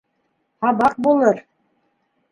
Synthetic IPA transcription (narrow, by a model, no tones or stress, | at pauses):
hɑbɑq̚bolˠɤɾ